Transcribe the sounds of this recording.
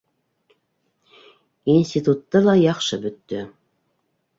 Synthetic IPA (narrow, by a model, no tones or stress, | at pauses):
insʲtʲit̪ut̪ːɤlˠɑjɑqʃɤbɵ̆t̪ːɵ